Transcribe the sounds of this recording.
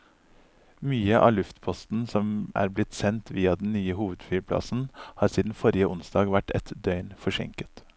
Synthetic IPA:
myːəʔɑ̰ːlʉft̪pʰɔst̪n̩sɔmæ̰ːɾblɪt̪sɛnt̪ʋiːɑd̪n̩nyːəhuːʋəd̪fyːɾpʰlɑ̰sn̩hɑːɾsiːd̪n̩fɔɾɪəʔʊnsd̪ɑːɡʋæʈʰɛ̰t̪d̪œʏnfɔʂɛ̰ŋkə̥t̪

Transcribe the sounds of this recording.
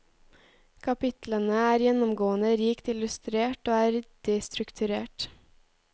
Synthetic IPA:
kʰɑpɪt̪lənəæːɾjɛnɔmɡoːənəɾiːkt̪ɪlʉst̪ɾeːʈoːæːɾd̪̥ɛst̪ɾʉkt̪ʰʉɾḛːʈ

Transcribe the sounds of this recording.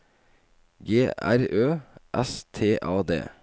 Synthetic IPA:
ɡeːʔæ̰ɾøːʔɛst̪ʰeːʔɑːd̪ḛː

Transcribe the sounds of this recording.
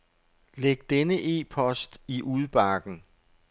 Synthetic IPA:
leɡ̥̚d̥enəʔe̝̰ːpʰɒ̽sd̥iʔuð̞ˠb̥ɑ̈ɡ̥n̩

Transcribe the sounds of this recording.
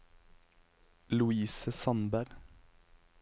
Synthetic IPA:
lʉiːsəsɑnbæʁ

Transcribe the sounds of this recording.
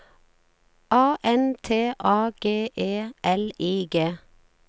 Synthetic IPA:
ɑːʔɛnt̪ʰeːʔɑːɡ̥eːʔeːʔɛliːɡeː

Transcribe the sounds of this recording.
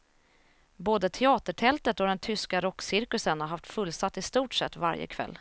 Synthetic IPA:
boːd̪ət̪ʰɛɑːt̪əʈʰɛlt̪ət̪ɔd̪ɛnt̪ʰʏskaɾɔkːsɪɾkɵsənhaɾɦaft̪fɵlsat̪ːɪst̪uːʈʂɛt̪ːva̰ɾjə̰kʰv̥ɛ̰lː

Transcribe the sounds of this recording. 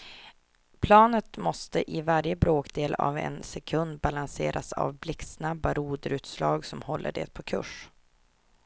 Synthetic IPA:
pʰlɑːnət̪mɔst̪əʔɪvaɾjəbɾoːkd̪eːla̰vɛ̰nsɛkʰɵnd̪balanseːɾʔasa̰vblɪksnabːaɾuːd̪əɾʉ̟ːt̪slɑːɡsɔmhɔlːə̰ɖḛːt̪̚pʰɔkʰɵ̰ʂ

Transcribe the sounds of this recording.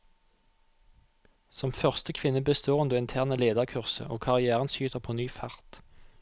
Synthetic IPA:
sɔmfœʁst̪əkʰʋɪnəbəst̪ʰoːʁənd̪oːɪnt̪ʰæːʁnəleːd̪əʁkʰʉʁsə̰ʔo̰ːkʰɑʁɪæːʁənʃyːt̪ʰəʁpʰoːnyːfɑʁt̪

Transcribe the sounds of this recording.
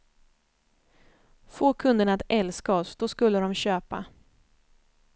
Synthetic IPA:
foːkʰɵnd̪əɳat̪ɛlskaɔsd̪ɔskɵlːəd̪ɔmɕøːpa

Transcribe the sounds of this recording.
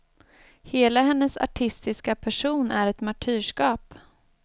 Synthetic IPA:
heːlahɛnːəsa̰ʈʰɪst̪ɪskapʰæʂuːnʔæɾɛt̪maʈʰyːʂkɑːp

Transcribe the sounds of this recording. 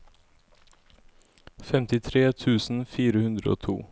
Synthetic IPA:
fɛmt̪ɪt̪ʰɾeːt̪ʰʉːsn̩fiːɾəhʉnd̪ɾəo̰ːt̪ʰṵː

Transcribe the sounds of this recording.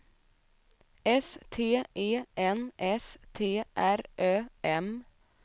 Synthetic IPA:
ɛst̪ʰeːʔeːʔɛnʔɛst̪ʰeːʔæɾʔøːʔɛm

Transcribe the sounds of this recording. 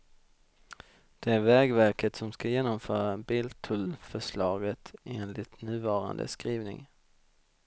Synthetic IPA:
d̪̥ɛæɾvɛːɡvæɾkət̪sɔmskajeːnɔmfœːɾabɪlt̪ʰɵlfœʂlɑːɡət̪eːnlɪt̪nʉ̟ːvɑːɾa̰nd̪ə̰skɾiːvnɪ̰ŋ

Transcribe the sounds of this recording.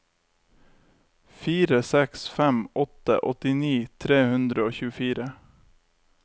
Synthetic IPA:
fiːɾəsɛksfæmɔt̪ə̰ʔɔt̪ɪniːt̪ʰɾeːhʉnd̪ɾəoːçʉːəfiːɾə

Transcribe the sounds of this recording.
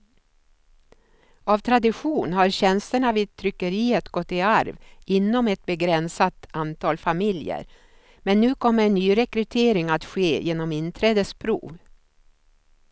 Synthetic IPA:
avt̪ʰɾad̪ɪɧuːnɦaɾɕɛnst̪əɳaviːt̪ʰɾʏkːəɾiːət̪ɡɔt̪ːɪaɾvɪnːɔmɛt̪̚bɛɡɾɛnsat̪ant̪ʰɑːlfamɪljə̰ɾ | mɛnːʉ̟ːkʰɔmːəɾɛnːyːɾɛkɾɵt̪ʰeːɾɪŋat̪ɧeːjeːnɔmɪnt̪ʰɾɛːd̪əspʰɾṵːv

